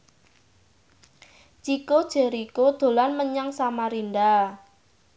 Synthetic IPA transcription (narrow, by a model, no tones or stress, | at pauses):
t͡ʃikod̥ʒ̥e̤ɾikod̪̥o̤lanməɲaŋsamaɾinda